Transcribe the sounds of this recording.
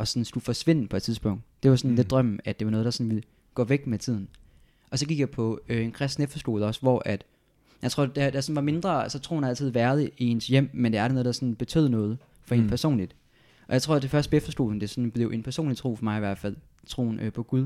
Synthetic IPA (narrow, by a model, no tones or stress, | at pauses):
ʔɒ̽sɒnsɡ̥ufɒ̽sʋe̝n̰̩pʰɒ̽e̥t͡sʰiðˠsb̥ɔ̽ŋ̰d̥d̥e̝ʋɑ̈sɒ̽nle̝d̥̚d̥ʁɶm̰̩æd̥e̝ʋɑnɔ̽ːð̞̩ˠdɑ̈sɒ̽nʋil | ɡ̥ɔ̰̽ːʋeɡ̥met͡sʰið̞̰ˠn̩ | ʔɒ̽sɒ̽ɡ̥iɡ̥jɑ̈ɪpʰɒ̽øenkʰʁɛsd̥nefɐsɡ̥o̝ːðˠɒ̽sʋɒʔæd̥ | jɑɪt͡sʰʁo̝ɐ̰d̥æd̥æsɒ̽n̩ʋɑ̈me̝nd̥ʁɐælsɒt͡sʰʁo̝ːn̩æl̰t͡sʰið̩ˠʋæɐð̞ˠəiensjem̰mend̥eæɐnɔ̽ːð̞̩ˠdɑ̈sɒ̽nb̥e̝t͡sʰø̰ːðˠnɔ̽ːð̞ˠ | fɒ̽e̝npʰæɐso̝̰ːnlid̥ | ʔɒ̽jäɪt͡sʰʁo̝ɐ̰d̥efɶɐsd̥̚b̥efd̥ɐsɡ̥o̝ːðˠn̩d̥e̝sɒ̽nb̥le̝ʊe̝npʰæɐso̝̰ːnlit͡sʰʁo̝̰ːfɒ̽mɑ̈ɪiʋæɐd̥fæl̰ | t͡sʰʁo̝̰ːnøpʰɒ̽ɡ̥uð̞ˠ